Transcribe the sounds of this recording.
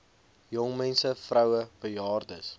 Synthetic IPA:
jɔŋmɛnsəfrœwəb̥əjɑːrdəs

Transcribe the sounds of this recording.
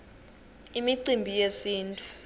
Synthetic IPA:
imiǀimbʱijesiːntʼu

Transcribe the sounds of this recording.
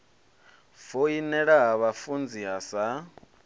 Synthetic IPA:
foinɛɺaɦaβafund͡ziɦasa

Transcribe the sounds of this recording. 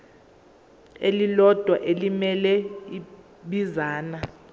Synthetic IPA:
elilɔd̥ʱwa̰ʔelimɛlɛi | ɓizaːna

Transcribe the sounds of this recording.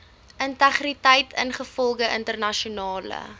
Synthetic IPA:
ʔəntæχritəjtʰənχəfɔlˠɡəʔəntərnɐʃunɑːlə̰

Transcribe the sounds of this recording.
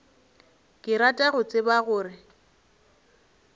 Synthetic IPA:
kʼɪɾatʼaɣʊt͡sʼɪbaɣʊːrɪ

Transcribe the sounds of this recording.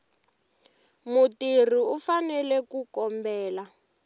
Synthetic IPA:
mutir̤iufanɛlɛkukɔmbɛːla

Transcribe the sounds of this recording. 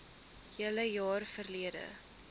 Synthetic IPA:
hiələjɑːrfərliədə̰

